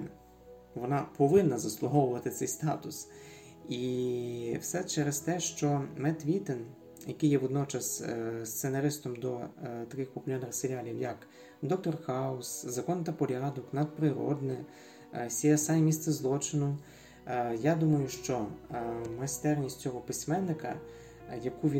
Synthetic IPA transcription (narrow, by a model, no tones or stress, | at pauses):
ʋɔnɑpɔʋɪnːɐzɐslˠʊɦɔwʊʋɐt̪ɪt̪sɛjst̪ɑ̰t̪ʊs | i | wsɛt͡ʃɛɾest̪ɛʃt͡ʃɔmɛt̪ʋʲit̪en | jɐkɪjːɛʋɔd̪nɔt͡ʃɐsst̪senɐɾɪst̪ɔmd̪ɔt̪ɐkɪxpʊpʊlʲɔnɐxseɾʲalʲiwjɐk | d̪ɔk̚t̪ɔrxɑʊszɐkɔnt̪ɐpɔɾʲɑd̪ɔknɐd̪̚pɾɪɾɔ̰d̪nɪ | sʲiɛsɛjmʲist̪sɛzlˠɔt͡ʃɪnʊ | jad̪umɐjʊʃt͡ʃɔ | mɐst̪ɛrnʲisʲtʲt͡sʲɔɦɔpɪsʲmɛnːɪkɐ̰ | jɐkuʋʲi